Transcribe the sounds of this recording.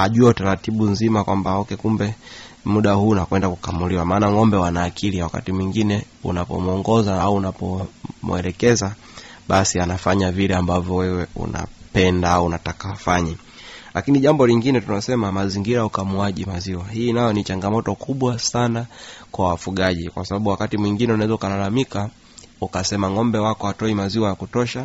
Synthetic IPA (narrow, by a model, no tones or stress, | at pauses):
aʄuataɾatiɓunzimakwambaɔkɛkumbɛ | muɗahuːnakwɛndakukamuliwamaːnaŋɔmbɛwanaːkʰiliawaka̰timwiŋɡinɛ | ṵnapɔ̰muɔŋɡɔzaauːnapɔmwɛlɛkɛza | ɓasianafaɲavilɛambavjɔwɛwɛṵna̰pɛndaauːnatakafaɲa | lakiniʄambɔliŋɡinɛtunasɛmamaziŋɡiɾaukamuaʄimaziwahiːnajɔnit͡ʃaŋɡamɔtɔkʰuɓwasanakwawafuɠaʄikwasaɓaɓuwakatimwiŋɡinɛunaɛzaukalalamika | ukasɛmaŋɔmbɛwakɔhatɔimaziwajakutɔʃa